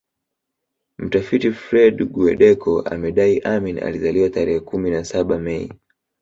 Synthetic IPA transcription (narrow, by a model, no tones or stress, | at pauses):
m̩tafitifɾɛɗɡuɛ̰ɗɛkʰɔʔa̰mɛɗaiʔamina̰lizaliwataɾɛhɛkuminasaɓamɛḭ